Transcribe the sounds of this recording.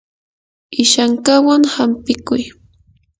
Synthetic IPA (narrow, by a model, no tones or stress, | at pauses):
ɪʃaŋkawaŋhampɪkʊj